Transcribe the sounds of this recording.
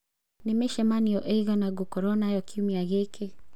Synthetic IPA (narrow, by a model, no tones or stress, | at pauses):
nemeʃɛmaniɔʔeiɣanaɡokɔɾɔnajɔkiumiaɣekʰe